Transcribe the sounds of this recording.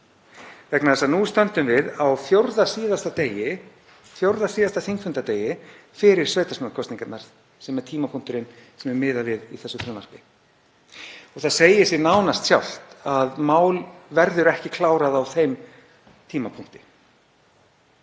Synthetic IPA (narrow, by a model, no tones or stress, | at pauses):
vɛknaθɛsanust̪œnt̪ʏmvɪðawθjowɾðasiːðast̪at̪eːjɪ | θjowɾðasiːðast̪aθiŋkfʏnt̪at̪eːjɪfɪɾɪɾ̥svœːɥt̪asmʏkʰɔsniŋkat̪naɾ̥ | sɛmɛɾ̥t̪ʰiːmapʰuŋ̥t̪ʏɾɪnsɛmɛɾmɪːðavɪðiθɛsːʏfɾanmaɾ̥pɪ | ɔɣθaðseːjɪsɪnaːwnast̪sjawl̥t̪aðmaːwlvɛɾðʏɾɛhcɪkʰlaːwɾaðawθejm | t̪ʰiːmapʰuŋ̥t̪ɪ̥